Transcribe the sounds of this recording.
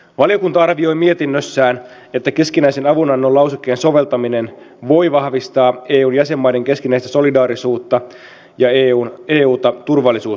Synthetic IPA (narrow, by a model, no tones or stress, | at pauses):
ʋɑlijo̞kunt̪ɑɑrʋio̞jmie̞t̪inːøsːæːn | e̞t̪ːæke̞skinæise̞nɑʋunɑnːolɑwsukːˑeːnso̞ʋe̞lt̪ɑminen | ʋo̞jʋɑhʋist̪ɑːeːuːnjæse̞mːɑjde̞ŋke̞skinæist̪æso̞lidɑːɾisuːt̪ːɑ | jɑeuːneːuːt̪ɑt̪urʋɑlːisuː